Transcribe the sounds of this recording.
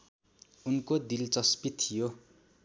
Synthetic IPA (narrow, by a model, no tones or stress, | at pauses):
unkod̪ilt͡sʌspit̪ʰːijo